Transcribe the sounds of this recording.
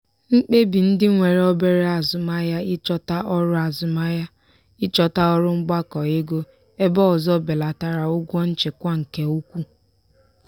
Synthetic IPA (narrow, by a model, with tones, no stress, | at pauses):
ŋ͡m̩˦k͡pe˦bi˨n̩˦dɪ˦ŋʷe˨ɾe˨˦o˦be˦ɾe˦a˨zʊ˨ma˦ja˦ɪ˦t͡ʃɔ˦ta˦ʔɔ˦ɾʊ˦a˨zʊ˦ma˦ja˦ | ɪ˦t͡ʃɔ˦ta˦ɔ˦ɾʊ˦ŋ͡m̩˦ɡ͡ba˦kɔ˨e˦ɡo˦ | e˦bɔ˦ɔ˨zɔ˦˨be˨la˨ta˨ɾa˨ʊ˦ɡʷɔ˦n̩˦t͡ʃe˨kʷa˦ŋ̩˨ke˨u˦kʷu˦